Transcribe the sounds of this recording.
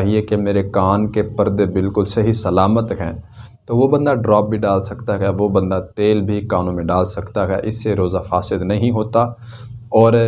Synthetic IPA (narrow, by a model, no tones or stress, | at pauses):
ɦiekemeːɾekaːnkepɐɾd̪bɪlkʊlsɐɦisɐlaːmət̪ɦɛ̃ːt̪oʋobɐ̃nd̪aɖɾɔːp̚bʱiɖaːlsɐkt̪aɦɛʋobɐ̃nd̪at̪eːlbʱikaːnõmẽɖaːlsɐkt̪aɦɛ̰ʔɪsːeɾoːzafaːsɪd̪nɐɦĩɦoːt̪a | ɔːɾ